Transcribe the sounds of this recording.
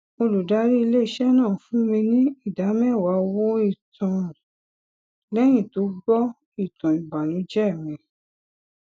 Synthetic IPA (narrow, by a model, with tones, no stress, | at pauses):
o˧lu˨da˨˦ɾi˦i˧le˦i˦ʃɛ˦nãː˦˨fũ˨˦mĩ˧nĩ˦i˦˨da˨˦mɛ̃˦˨wa˨˦˧wo˦i˦˨tã˨ | lɛ˦j̃ĩ˦˨to˨˦ɡ͡bɔ˦ | i˦˨tã˨i˨ba˨nĩ˨˦d͡ʒɛ˦˨mĩ˨˧˦